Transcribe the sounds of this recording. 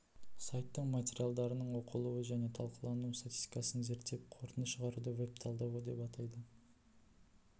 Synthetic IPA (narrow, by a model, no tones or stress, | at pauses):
sajt̪ːəɴmat̪ʲe̞ɾʲijalˠd̪ɑɾənəɴwo̞qʰəlˠuwəʒæne̞t̪ʰɑlˠqəlˠɑnust̪at̪ʲi̥st̪ʲi̥kɑsənze̞ɾt̪ːe̞p̚qʰo̞ɾt̪ənəsʃəʁɑɾud̪əwe̞p̚t̪ʰɑlˠd̪ɑwəd̪e̞pɑt̪ɑjd̪ə